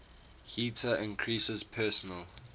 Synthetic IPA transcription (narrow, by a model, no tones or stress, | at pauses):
hitʰəʔɪ̃nkʰɹisəzpʰɜːˑsənəl